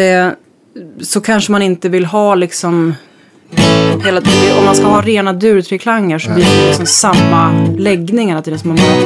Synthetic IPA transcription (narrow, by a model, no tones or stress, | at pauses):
ɛ | sɔkʰanʂəmanɪnt̪əvɪlːɦɑːlɪksɔm | heːlat̪ʰːd̪ɔmːanskaɦɑːɾeːnad̪ʉ̟ːɾt̪ʰɾeːkʰlaŋːəʂɔbliːdɛɪksɔmsamːalɛɡnɪŋanat̪̚ːd̪əsɔman